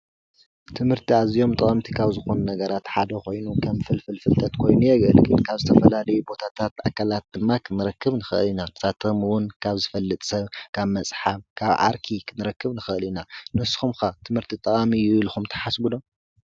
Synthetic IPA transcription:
t̪ʰɨmhɨɾt̪ʰiazijo̞mt̪ʼɐχʼɐmt̪ʰi̥kʰaβzɨxo̞nunɐɡɐɾat̪ħad̪ɐko̞jnukʰɐmfɨlfɨlfɨlt̪ʰɐt̪kʰo̞jnujɛɡɐlɡɨnkʰaβzɨt̪ʰɐfɐlalɐjubo̞t̪ʰat̪ʰat̪ʔa̰kːalat̪̚d̪ɨmːakʰɨnɨɾɐkːɨβnɨxɨʔɨlinat̪ʰɐ̥sat̪ʰɐmɨwʊnkʰaβzɨfɐlːɨt̪ʼsɐβkʰaβmɐsʼħaβkʰaβʕa̰ɾkʰikʰɨnɨɾɐkːɨβnɨxɨɨlinanɨsxumxat̪ʰɨmhɨɾt̪ʰit̪ʼɐkʼamijɪβlxumt̪ʰɐ̥ħasbulo̞

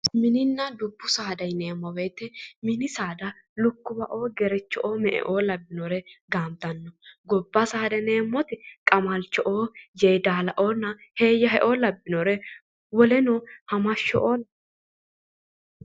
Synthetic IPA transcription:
mɪnɪnːɐd̪ʊbːʊsaːd̪ɐjne̞ːmːɔbe̞ːt̪ɛmɪnɪsaːd̪ɐ | lʊkːʊbɐʔo̞ːɡɛɾɛt͡ʃːɔʔoːmɛʔɛ̰ʔo̞ːlɐbːɪnɔɾɛɡaːmt̪ɐnːɔɡɔbːɐsaːd̪ɛne̞ːmːɔt̪ɪkʼɐmɐlt͡ʃːɔʔoːjejd̪aːlɐʔo̞ːnːɐheːjːɐɦɛʔo̞ːlɐbːɪnɔɾɛ | wɔlɛnohɐmɐʃːɔʔoːlɐ

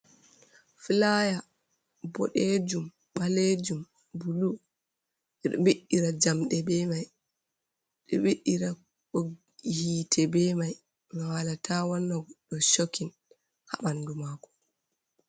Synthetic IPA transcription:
filaja | bɔ̰ɗed͡ʒum | ɓaled͡ʒum | bulu | ɛɗɔ̰biɗːiɾad͡ʒamɗɛbɛmaj | ɗɔ̰ɓiɗːiɾa | o | hitʰɛbɛmaj | nɔwalatʰawanːɔɡɔɗɔʃokːin | ha̰ɓandumaːkɔ̥

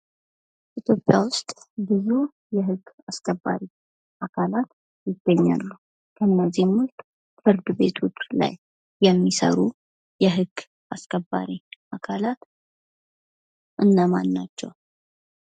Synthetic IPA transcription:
ʔit̪ʰjo̞pʼjawʊst̪ʼbize̞ | jɛɦɨɡː | askʼəbːa̰ɾi | ʔakʰalat̪ | jɪɡːəɲːa̰lːu | kʰəɨnːəzːihmʊt̪ | fɨɾd̪ɨbe̞t̪ʰut͡ʃːla̰jː | ɛmːisə̰ɾu | jɛɦɨɡ̥ː | askʼəbːa̰ɾiʔakʰalat̪ | ʔɨnːəmanːat͡ʃːɛ̰w

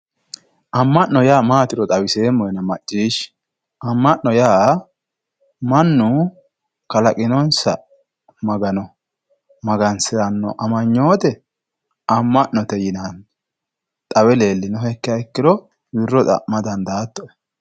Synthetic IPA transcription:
ʔɐmːɐʔnɔjaːmaːt̪ɪɾɔt̪ʼɐwɪse̞ːmːɔjɛnɐmɐt͡ʃʼːiːʃ | ʔɐmːɐʔːɔjaː | mɐnːʊ | kɐlɐkʼɪnɔnsɐ̰ | mɐɡɐnɔ | mɐɡɐnsɪɾɐnːɔ̰ʔɐmɐɲːo̞ːt̪ɛ | ɐmːɐʔnɔt̪ɛjɪnan | t̪ʼɐwɛle̞ːlːɪnʊhɛkːɪjɐɪkːɪɾɔ | bɪrːɔt̪ʼɐ̰ʔmɐd̪ɐnd̪aːt̪ːɔɛ

